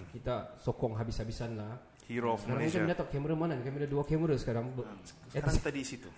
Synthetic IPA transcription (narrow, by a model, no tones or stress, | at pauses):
kit̪asɔkɔŋɦabishabisanla | hiɾosaaŋmə̃t͡ʃamə̃ɲat̪aʔ̚kɛməɾamanãnkamiladuakɛməɾəsə̥kaɾaŋbəɛt̪adisit̪u